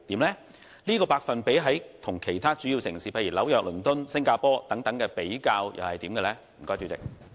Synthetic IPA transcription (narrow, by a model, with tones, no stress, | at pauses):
t̪iː˨˥mlɛː˥ | liː˥kɔː˧paː˧k̚fɐ˨npe˨˥jɦɐ˨˥jt̪ʰʊ˨˩ŋkʰe˨˩jt̪ʰaː˥t͡syː˨˥jiː˧wsɪ˨˩ŋsiː˨˧pʰɐ˧jiː˨˩lɐ˨˧˥wjœː˨k̚lɵ˨˩nt̪ʊ˥nsɪ˥ŋkaː˧pɔː˥t̪ɐ˨˥ŋt̪ɐ˨˥ŋkɛː˧pe˨˥jkaː˧wjʔɐ̰˨whɐ˨jt̪iː˨˥mkɛː˧lɛː˥m̩˨˩kɔː˥jt͡ʃy˨˧t͡sɪ̰˨k̚